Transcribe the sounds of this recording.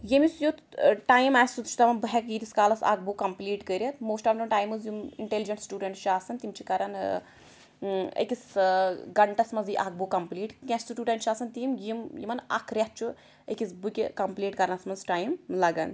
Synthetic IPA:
jemisjut̪ʈaːjmaːsʲut̪t͡ʃʰu̥t̪ɐmɐnbɨɦʲɛkit̪iskaːlɐsa̰ːk̚bukɐmpliːʈkəɾʲjɐt̪moːsʈaːfɳʈumʈaːjmɨzjumḭɳʈelid͡ʒɐɳʈsʈuːɖɐɳʈʃaːsɐnt̪imt͡ʃʰikɐɾɐn | ɐ̰kʲisɡɐɳʈɐsmɐnziʔaːk̚bukɐmpliːʈkʲãt͡ʃʲsuʈʲuːʈɐɳʈt͡ʃʰaːsɐnt̪iːmjimjḭmɐnɐ̰kʰɾʲjɐt̪̚t͡ʃʰu | ḛkʲisbukʲikɐmpliːʈkɐɾɐnɐsmɐzʈaːjmlɐɡɐ̰n

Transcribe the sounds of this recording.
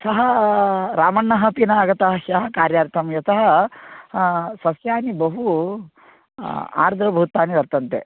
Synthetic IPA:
sɐɦɐɾaːmɐɳːɐɦɐ̆pinɐːɡɐt̪ɐɦɐʃɐɦɐ̆kaːɾjaːɾt̪ʰɐmjɐt̪ɐɦɐ̆ | sɐsjaːnibɐɦu | a̰ːɾd̪ʱɾɐbʱuːt̪aːniʋɐɾt̪ɐnt̪ḛ

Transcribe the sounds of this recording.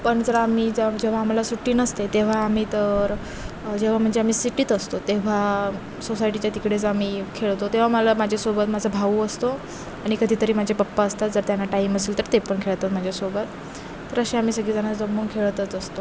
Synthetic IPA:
pəɳd͡zəɾamiːd͡zd͡ʑeʋ̤aːm̤alasuʈiːnəst̪et̪eʋ̤aːm̤iːt̪əɾ | d͡ʑeʋ̤am̤əɳd͡zeamiːsiʈiːt̪əst̪ot̪eʋ̤a | sosajʈit͡ɕjat̪ikɽet͡samiːkʰeɭt̪ot̪eʋ̤amalamad͡ʑʱesobət̪mad͡zʱəbʱauəst̪o | aɽ̃ikəd̪ʱiːt̪əɾiːmad͡ʑʱepəpːaəst̪at̪̚d͡zəɾt̪janːaʈaiməseːlt̪əɾt̪epəɳkʰeɭt̪at̪m̤ad͡ʑʱesobət̪ː | əɾəɕeam̤iːsəɡiːd͡zanat͡sd͡zəmːonkʰeɭt̪ət͡səst̪o

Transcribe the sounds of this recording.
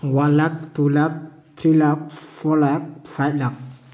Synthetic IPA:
walak̚t̪ulak̚ | t̪ɾilak̚fɔlak̚fatlak̚

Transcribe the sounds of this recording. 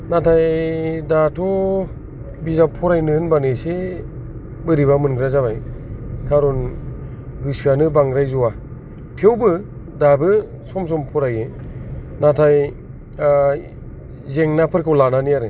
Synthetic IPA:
natʰajdatʰɔ | bizapʰɔɾajnɯɯnbanɯse | bɯɾiβamɯnɡɾazaβajkʰaɾɔn | ɡɯsanɯbaŋɾajzuwa | tʰewbɯ | dabɯ | sɔms̬ɔmpʰɔɾaje | natʰaj | zeŋnapʰɯɾkʰawlananiaɾɯ

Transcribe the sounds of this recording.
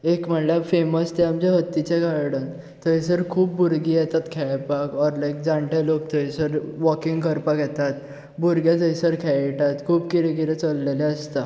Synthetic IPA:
ekm̤əlafeməst̪ɛamd͡ʑaɦət̪ːit͡ɕeɡaɾɽən | t̪əisəɾkʰuːpbuɾɡiːjɛt̪at̪kʰɛpakɔɾlajk̚d͡zãɳʈelok̚t̪ʰəisəɾʋɔkiŋɡkəɾpakjɛt̪at̪ | buɾɡjat̪əisəɾkʰɛjʈat̪kʰuːbkiɾeɡiɾət͡səlːelɛəst̪a

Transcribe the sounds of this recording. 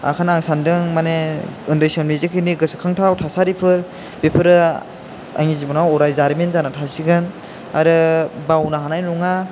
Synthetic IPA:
a̰kʰanaŋsandɯŋmaneɯndejsɔnlizikʰɯniɡɯsɯ̥kʰaŋtʰawtʰasaɾipʰɯɾ | b̥epʰɯɾɯ | a̰ŋizibɔnawɔɾajzaɾmenzanatʰasiɡɯn | a̰ɾɯbawnaɦanajnuŋa

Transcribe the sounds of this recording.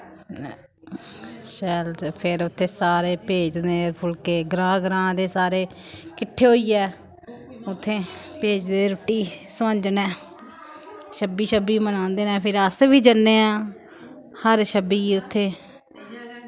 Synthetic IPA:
ʃəːlpʰɪɾʊt̪ʰːeːsaːɾeːpeːd͡ʒneːɾpʰʊlkeːɡɾãːɡɾãːd̪eːsaːɾeː | kɪʈʰːeːɦoːiːɛː | ʊt̪ʰːẽːpeːd͡ʒd̪eːɾʊʈːiːsʋə̃nd͡ʒnɛ̃ː | ʃəbiːʃəbiːmənãːnd̪eːnɛ̃ːpʰɪɾəsʋiːd͡ʒənːeːãː | həɾʃəbiːʊt̪ʰːeː

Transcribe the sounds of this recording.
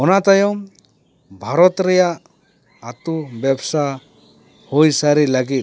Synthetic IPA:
ɔnat̪ajɔm | bʱaɾɔt̪ɾɛjaʔ | at̪ubjɛbsa | hojsaɾilaɡit̪̚

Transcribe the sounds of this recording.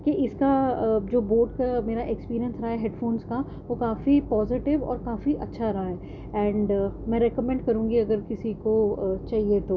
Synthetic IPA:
keʔɪskad͡ʒoːboːɾɖkameːɾaʔekspiːɾiə̃nsɾɐɦaɦɛɦeːɖfoːnska | ʋokaːfipɔːzɪʈɪʋɔ̰ːɾkaːfiʔɐtːʃʰaɾɐɦaɦɛː | ɛ̃ːɳɖmɛ̃ɾɛːkəmɛ̃ɳɖkɐɾũːŋɡiɐɡəɾkɪsikot͡ʃaːɦiet̪oː

